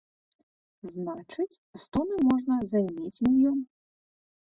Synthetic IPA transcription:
znat͡ʂɨt͡sʲst̪ɔnɨmɔʐnɐzɐjmʲet͡sʲmʲijɔm

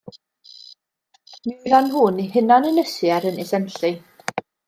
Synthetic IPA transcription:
miðanɦuːnihɪnanənəsiaɾənɛsɛnɬi

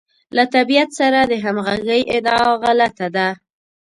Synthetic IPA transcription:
lat̪abijat̪saɾad̪əɦamɣaɡəjʔɪd̪ɑɣalat̪ad̪a

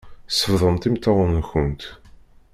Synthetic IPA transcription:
sːəfðˤəmt̪imt̪ːɑwˤənçʊnt̪

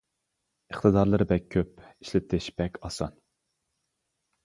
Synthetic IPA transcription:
ɨχt̪ʰɨd̪ɑɾlˠɨɾɨbɛkʲʰːøp̚i̥ʃlɪt̪ʰɪʃb̥ɛkʲʰɑsɑ̰n

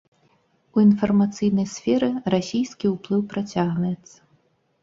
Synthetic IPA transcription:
uinfɐrmat̪sɨjnɐjsfʲɛɾɨrasʲijskʲiuplˠɨwpɾat͡sʲaɣvɐjɛt̪sːɐ̥

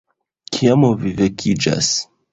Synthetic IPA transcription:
kʰijamovivekʰid͡ʒa̰s

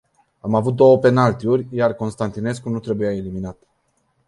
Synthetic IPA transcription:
amavut̪̚d̪o̞wəpe̞nalt̪iurʲjarko̞nst̪ant̪ine̞skunut̪ɾe̞bujaeliminat̪

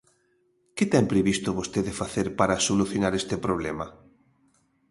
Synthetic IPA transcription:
ket̪ɛmpɾeβist̪oβost̪eðefaθeɾpaɾasoluθjonaɾest̪epɾoβ̞lema

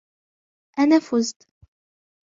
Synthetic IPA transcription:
ʔænæfʊzt̪

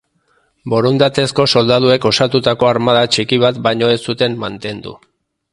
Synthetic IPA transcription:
bo̞ɾond̪at̪e̞sko̞so̞ld̪að̞ue̞ko̞sat̪ut̪ako̞aɾmað̞at͡ʃikiβ̞at̪bajɲo̞e̞sut̪e̞mːant̪e̞nd̪ṵ

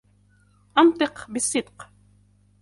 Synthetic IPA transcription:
ʔɑnt̪ˤɨqbɪsˤːɨd̪q

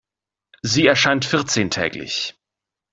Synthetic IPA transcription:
ziːɛɐʃaɪntfɪɐt͡seːntʰɛ̰ːklɪ̰ç

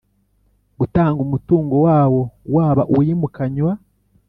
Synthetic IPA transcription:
ɡutaːŋɡumutuːŋɡowaːwo̞waːβaʔujimukaɲwa

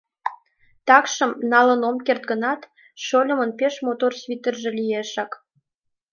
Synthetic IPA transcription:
t̪ɑkʃəmnɑlənomkert̪̚ɡənɑt̪ | ʃolʲə̆mənpeʃmot̪orsvʲit̪ərʒĕlʲijeʃɑk

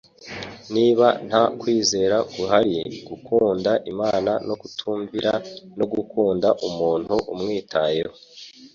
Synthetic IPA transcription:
niːβan̥hakwiːze̞ːɾaɡuɦaɾiɡukʰuːndaʔimaːnano̞kutʰuːɱviɾano̞ɡukuːndaʔumuːn̥huʔumŋiːtʰajeho

